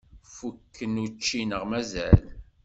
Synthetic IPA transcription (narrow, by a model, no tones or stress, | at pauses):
fukːənut͡ʃːinəʁmæzæ̰l